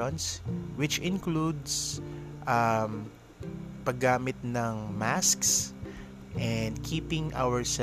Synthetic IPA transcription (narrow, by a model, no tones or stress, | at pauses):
ɔnswɪt͡ʃɪ̃nklud̪sʔam | pɐɡaːmɪt̪̚nɐŋmasks | ʔɛnd̪̚kʰiːpɪ̃ŋʔa̰wɛɹsɛ